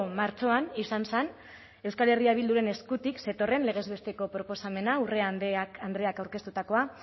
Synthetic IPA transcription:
maɾt͡ʃo̞anisansan | e̞wskale̞riaβ̞ild̪uɾe̞ne̞skut̪ikse̞t̪o̞re̞nle̞ɣ̞e̞zβest̪e̞ko̞pɾo̞po̞same̞naure̞aand̪ɾe̞akawɾke̞st̪ut̪ako̞a

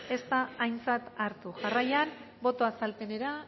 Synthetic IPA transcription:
e̞st̪aːjnt͡sat̪aɾt̪uʝarajan | bo̞t̪o̞asalt̪e̞ne̞ɾa

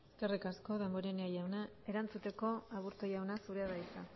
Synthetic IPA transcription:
eske̞rikasko̞ðe̞mbo̞ɾenajawna | e̞ɾant͡sut̪e̞ko̞aβuɾt̪ojawnasuɾeaðajsa

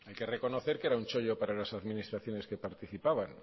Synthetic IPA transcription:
ajke̞re̞ko̞noθe̞ɾkeɾaunt͡ʃo̞ʎopaɾalasaðminist̪ɾaθjo̞ne̞ske̞paɾt̪iθipaβan

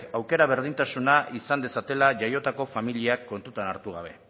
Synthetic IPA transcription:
awke̞ɾaβ̞e̞ɾð̞int̪asunaisand̪e̞sat̪e̞laʝajo̞t̪ako̞familiakːo̞nt̪ut̪anaɾt̪uɣ̞aβ̞e̞

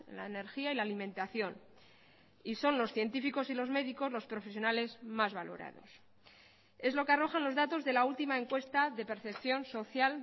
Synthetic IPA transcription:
ḛnla̰ene̞ɾxiailaːlimẽnt̪aθjo̞n | iso̞nlo̞sθje̞nt̪ifiko̞silo̞zme̞ðiko̞zlo̞spɾo̞fe̞sjo̞nale̞zmazβalo̞̰ɾa̰ð̞o̞̰s | e̞zlo̞kearo̞xanlo̞zðat̪o̞zðe̞lault̪imae̞ŋkwe̞st̪aðe̞pe̞ɾθe̞pθjo̞nso̞θjal

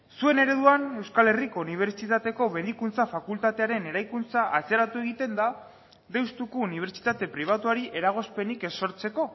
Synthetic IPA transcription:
sue̞ne̞ɾe̞ðuane̞wskale̞riko̞uniβ̞e̞ɾt͡ʃit̪at̪e̞ko̞me̞ðikunt͡safakult̪at̪e̞aɾe̞ne̞ɾajkunt͡saʔat͡se̞ɾat̪ue̞ɣit̪e̞nd̪a | ðe̞wst̪ukuːniβ̞e̞ɾt͡ʃi̥t̪at̪e̞pɾiβ̞at̪uaɾiʔe̞ɾaɣ̞o̞spe̞nikeso̞ɾt͡se̞ko̞

